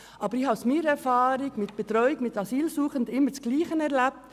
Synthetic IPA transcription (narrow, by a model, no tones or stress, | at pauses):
ʔɑːbəɾihɑsmiːɾɛɾfɑːɾɪɡmɪt̚b̥ɛt̪ɾɔʏɪkmɪtɑsiːlsuːχəndɪmːət͡sɡ̥liːχənɛʁlæp̚t